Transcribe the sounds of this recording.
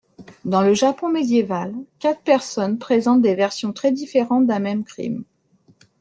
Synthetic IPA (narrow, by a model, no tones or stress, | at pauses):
d̪ɑ̃ləʒapɔ̃med̪jevalkat̪χpɛʁsɔnpχezɑ̃t̪̚d̪evɛʁsjɔ̃t̪χɛd̪ifeʁɑ̃t̪̚d̪ɛ̃mɛmkχḭm